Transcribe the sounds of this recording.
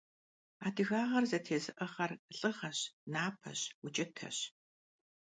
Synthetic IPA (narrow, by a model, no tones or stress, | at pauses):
aːdɨɣaːʁɐrzɐtʰeːzɨʔəχɐrɬʼɨʁɐɕnaːpʰɐ̰ɕwut͡ʃʼɪtʰɐ̰ɕ